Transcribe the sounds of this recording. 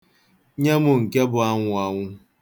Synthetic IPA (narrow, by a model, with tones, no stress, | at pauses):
ɲa˦mʊ˨ŋ̩˨ka˦bʊ˨a˦ŋʷʊ˨a˨ŋʷʊ˦